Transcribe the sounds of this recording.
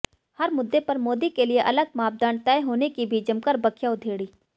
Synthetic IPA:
hɐɾmʊd̪ːepɐɾmoːd̪ikelieʔɐləɡ̚maːp̚d̪aːnt̪ɛːeɦoːnekibʱid͡ʒɐmkəɾbɐkʰjaʊd̪ʱeːɽiː

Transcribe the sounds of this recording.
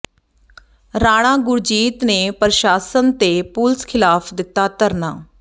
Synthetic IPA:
ɾaːɽ̃aːɡʊɾd͡ʒiːt̪neːpəɾʃaːsənt̪eːpʊlskʰɪlaːpʰd̪ɪk̚t̪aːt̪əɾnaː

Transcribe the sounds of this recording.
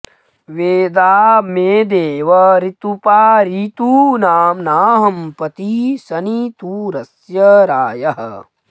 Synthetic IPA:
ʋeːd̪aːmeːd̪eːʋɐɾit̪upaːɾiːt̪uːnaːmnaːɦɐmpɐt̪isɐniːt̪uːɾɐsjɐɾaːjɐɦɐ̰

